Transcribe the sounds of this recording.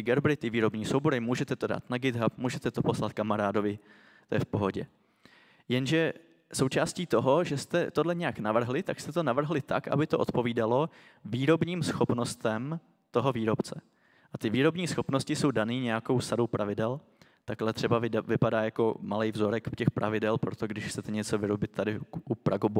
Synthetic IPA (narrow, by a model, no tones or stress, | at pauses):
ɪɡɛɾbɾɪt̪ɪviːɾo̞bɲiːsowbo̞ɾɪmuːʒɛt̪ɛt̪o̞da̰ːt̪naɡɪd̪ɦap̚muːʒɛt̪ɛt̪o̞po̞slat̪̚kamaɾaːdo̞vɪ | t̪ojɛfpoɦo̞ɟɛ | jɛnʒɛ | so̞wt͡ʃaːsciːt̪o̞ɦo̞ʒɛst̪ɛt̪o̞dlɛɲɛjaknavr̩ɦlɪt̪akst̪ɛt̪o̞navr̩ɦlɪt̪a̰kʔa̰bɪt̪oʔot̪po̞viːdalo̞ | viːɾo̞bɲiːmsxo̞pno̞st̪ɛm | t̪o̞ɦo̞viːɾo̞pt͡sɛ | ʔat̪ɪviːɾo̞bɲiːsxopnoscɪso̞wdaniːɲɛjako̞wsaɾo̞wpɾʔavɪdɛl | t̪aklɛt̪r̝ɛbavɪvɪpadaːjako̞malɛjvzo̞ɾɛkcɛxpɾʔa̰vɪdɛlpɾot̪o̞ɡdɪʃxt͡sɛt̪ɛɲɛt͡so̞vɪɾo̞bɪt̪tːadɪʔupɾʔaɡob